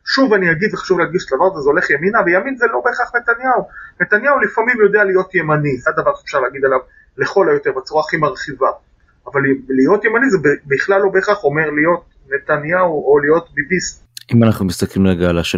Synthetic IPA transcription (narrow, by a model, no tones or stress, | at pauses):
ʃuvaniaɡid̪veχḁʃuvleaʁɡiʃet̪lavaʁzezeo̞le̞χjeminavejaminzelo̞beχaχnet̪anjaune̞t̪anjaulifamimjo̞d̪e̞alijo̞t̪je̞maniad̪avaʁʃe̥fʃaʁleːɡid̪alav | le̞χo̞lajo̞t̪e̞ʁbt͡suʁaːχimaʁχiva | avallijo̞t̪je̞manizebebiχlalːo̞beːχaχo̞me̞ʁlijo̞t̚ | ne̞t̪anjauolijo̞t̪bibis | imanaχnumist̪aklimleɡaːlaʃe